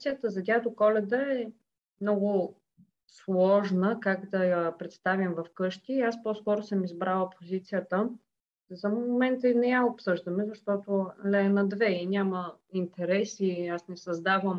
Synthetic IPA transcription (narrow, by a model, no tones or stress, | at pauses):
sijət̪əzɐd̪ʲjat̪okɔlɛd̪əɛ | mnɔɡʊ | slˠɔʒnəkakd̪ɐjɐpɾɛt̪st̪avʲimvɐfkɤʃt̪iːaspɔskɔɾʊsɤmizbɾalˠəpʰozit̪sijət̪ə | zɐmoomɛnt̪əinɛjaopsɤʒd̪əmɛzɐʃt̪ɔt̪olɛnɐd̪vɛinʲaməint̪ɛɾɛsiasnɛsɐzd̪avəm